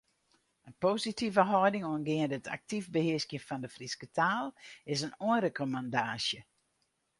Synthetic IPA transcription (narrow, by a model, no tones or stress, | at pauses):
ənpoːzitʰivəɦɔjdɪŋoənɡɪəndətʰa̰k̚tifbəhɪəskjəfɔndəfriskətʰaːlˠɪsənuənrekʰomandaːsjə